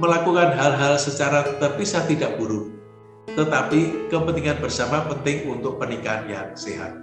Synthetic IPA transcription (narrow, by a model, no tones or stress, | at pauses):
məlakukanɦalɦalsət͡ʃaɾat̪ərpisaht̪idaʔb̥uɾʊ | t̪ət̪apikəpənt̪iŋanbərsamapənt̪ɪŋunt̪ʊk̚pənikanjaŋseɦa̰t̪̚